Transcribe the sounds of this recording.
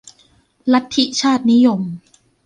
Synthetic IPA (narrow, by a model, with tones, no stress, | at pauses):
la˦˥t̪ʰːi˦˥t͡ɕʰaː˥˩t̪̚ni˦˥jo˧m